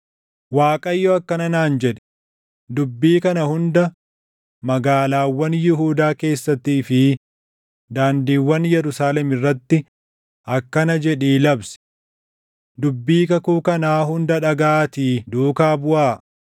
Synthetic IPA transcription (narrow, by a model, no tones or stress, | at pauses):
waːkʼɐjːɔɐkːɐnɐnaːnd͡ʒɛᶑɛ̥ | d̪ʊbːiːkɐnɐhʊnd̪ɐ | mɐɡaːlaːwːɐnjɪɦuːd̪aːke̞ːsːɐt̪ːiːfɪ | d̪aːnd̪iːwːɐnjɛɾʊsaːlɛmɪrːɐt̪ːɪ | ʔɐkːɐnɐd͡ʒɛᶑiːlɐbsɛ̥ | d̪ʊbːiːkɐkuːkɐnaːɦʊnd̪ɐᶑɐɡaːt̪iːd̪uːkaːbʊʔaː